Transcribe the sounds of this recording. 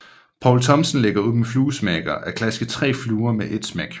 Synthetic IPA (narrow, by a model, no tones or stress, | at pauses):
pʰɒʊlt͡sʰɒ̽msənleɡ̥ɐuðˠmefluːsmæːɡ̥ɐʔækʰlæsɡ̥ət͡sʰʁɛ̰ːfluːɐmeʔe̝d̥smæɡ̥